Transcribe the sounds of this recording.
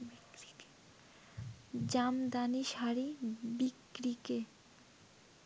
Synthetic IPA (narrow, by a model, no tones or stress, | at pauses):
d͡ʑamd̪aniʃaɾibikɾike